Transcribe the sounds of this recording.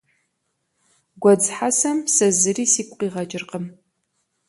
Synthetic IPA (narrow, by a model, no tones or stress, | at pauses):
ɡʷɔd͡zħasɐmsɐzɨriːsiːkʷʼqiːʁɐt͡ʃʼɪrqəm